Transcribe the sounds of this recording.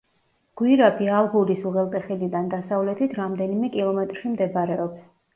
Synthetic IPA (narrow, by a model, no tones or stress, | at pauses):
ɡ̥wiɾabialˠɡulisuʁɛlˠt̪ʼɛχilid̪and̪asavlɛt̪ʰit̪ʰɾamd̪ɛnimɛkʼilˠɔmɛt̪ʼɾʃimd̪ɛbaɾɛɔps